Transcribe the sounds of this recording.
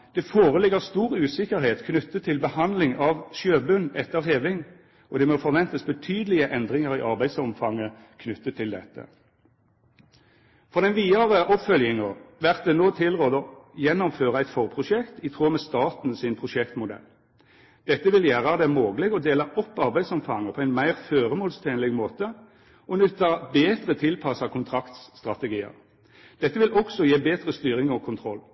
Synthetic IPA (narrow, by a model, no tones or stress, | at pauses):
d̪̥ɛfoːʁəlɪɡəʁst̪uːʁʉːsɪkəʁɦeːt̪kʰnʉt̪ːət̪ʰːɪlbəhɑnd̪lɪŋɑʋʃøːbʉnɛt̪ːəʁheːʋɪŋ | ɔd̪ɛmɔfɔʁʋɛnt̪əsbət̪ʰyːd̪əlɪəʔɛnd̪ʁɪŋəʁiːʔɑʁbæɪd̪sɔmfɑŋːə | kʰnʉt̪ːət̪ʰːɪld̪ɛt̪ːə̰ | fɔʁd̪ɛnʋiːɑʁəʔɔpfœljɪŋɑʋæʁt̪̚d̪ɛnoːt̪ʰɪlʁoːd̪ɔjɛnːɔmføːʁɑæɪt̪fɔʁpʰʁʊʃɛkt̪ɪt̪ʰʁuːmɛst̪ɑːt̪n̩sɪnpʰʁʊʃɛkt̪mʊd̪ɛ̰lː | d̪̥ɛt̪ːəʋɪljæːʁɑd̪ɛmoːɡəlɛɡɔd̪eːlɑʔɔpːɑʁbæɪsɔmfɑŋːəpʰɔæɪnmæɪʁføːʁəmoːlst̪ʰeːnlɛɡmoːt̪ə | ɔnʉt̪ɑbeːd̪ʁət̪ʰɪlpʰɑsɑːkʰʊnt̪ʰʁɑkt̪sst̪ʁɑt̪ɛɡiːə̰ʁ | d̪̥ɛt̪ːəʋɪlɔɡsɔjeːbeːd̪ʁəst̪yːʁɪŋɔkʰʊnt̪ʰʁɔlː